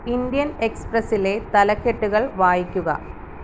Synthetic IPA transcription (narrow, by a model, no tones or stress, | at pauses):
ind̪ijɐneksprɐsilet̪ɐlɐkːeʈːuɣɐɭʋaːjikʲːuɣɐ̰